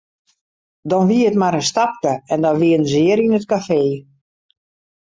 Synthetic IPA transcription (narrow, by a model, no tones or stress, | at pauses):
dɔnʋiəətmaɾənstap̚kəɛndɔʋiənzɪəɾinət̚kafeː